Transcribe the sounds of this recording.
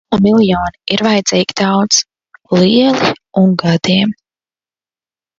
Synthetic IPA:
umilˠjɔːniiɾvajd̪z̥iːɡ̥d̪awt̪s | liɛlˠi | uŋɡad̪iɛm

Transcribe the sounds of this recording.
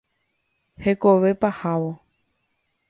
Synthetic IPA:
he̞koʋe̞pahaʋo

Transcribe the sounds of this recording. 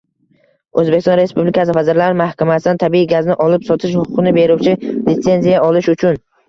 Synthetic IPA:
ɵzbekʲst̪ɒ̃nɾe̞spublikʰasɪfazɪɾlaɾɪmahkʲʰamasɪd̪ant̪ʰabiiɡʲaznɪʔɒlɪpsɒt̪ʰɪʃ̬hʊqʰʊ̥qɨnɪbe̞ɾʊwt͡ʃʰɪlɪt̪se̞nzijaɒlɪʃʊt͡ʃʰʊn

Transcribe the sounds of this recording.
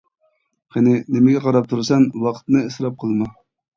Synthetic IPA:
qenɪnɪmɪɡʲɛqʰɑɾɑp̚t̪ʰuɾsɛnwɑqʰə̥t̪nɨesɾɑp̚qʰəlˠmɑ

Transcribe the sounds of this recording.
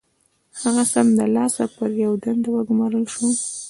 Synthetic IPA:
haɣasamd̪əlɑsapəɾjawd̪and̪awəɡʊmɑɾəlʃu

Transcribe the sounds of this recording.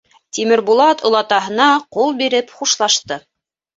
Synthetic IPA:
t̪imɘ̆ɾbulˠɑt̪ŏlˠɑt̪ɑɦɤ̆nɑqulˠbiɾɘpχuʃlˠɑʃt̪ɤ

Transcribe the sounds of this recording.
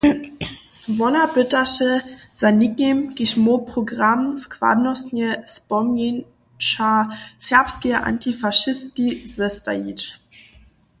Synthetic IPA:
vɔnabʏtaʃə | z̥anikemkɪʃmopʁ̥oɡʁamskva̰dnɔsnəspɔmjin | ʃasɛɐpskiʔa̰ntʰifaʃɪskizɛsta̰it͡ʃ

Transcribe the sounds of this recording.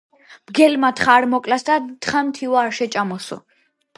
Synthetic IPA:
bɡɛlmat̪χaːɾmɔkʼlasd̪at̪χamt̪ʰiwaːɾʃɛt͡ʃʼamɔsɔ̰

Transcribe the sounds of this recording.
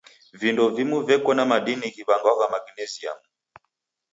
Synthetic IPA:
vindɔvimuvɛkɔnamaɗinikiβaŋɡaakamaɡinɛzia̰mu

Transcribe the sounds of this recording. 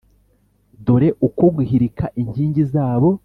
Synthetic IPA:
doɾe̞ʔuko̞ɡwihiɾikʰaʔiɲhiːɲɟizaːβo̞

